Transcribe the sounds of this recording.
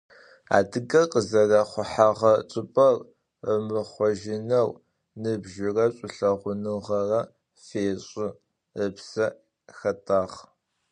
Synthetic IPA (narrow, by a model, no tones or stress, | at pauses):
a̰ːdɨɡɐqʼəzɐrɐχʷʊħaʁɐt͡sʼʊpʼɐr | əmɨχʷɔʒɪnɐw | nɨbʒɪrɐɕʼʊɬɐʁʷʊnɨʁɐrɐ | feːɕʼɪ | əpsɐ | xɐtʰʼaːʁ